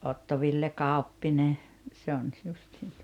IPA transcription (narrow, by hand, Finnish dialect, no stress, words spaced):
otːo ʋilːe kɑˑopːine se on s justiːn tu̥o̥tɑ̥